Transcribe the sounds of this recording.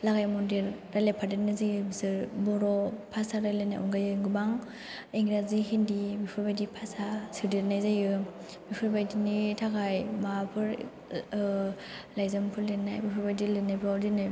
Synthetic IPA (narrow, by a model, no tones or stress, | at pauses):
laɡajmɔndelɾalepʰadeɾnazajɯbisɯɾbɔɾɔpʰasaɾalena̰juŋɡajɯŋɡɯbaŋ | eŋɡɾazihindibipʰɯɾbajdipʰasasɯdeɾnajzajɯ | bipʰɯɾbajdinitʰakʰajmapʰɯɾ | lajzɯmpʰɯɾlenajbipʰɯɾbajdilɯnapʰɯadinaj